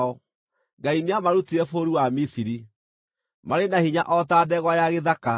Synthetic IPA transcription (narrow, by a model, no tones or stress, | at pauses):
ɔ | ŋɡaineamaɾutiɛfoɾuwamisiɾi | maɾenahiɲa̰ʔɔtaːdɛɣwajaɣeðaka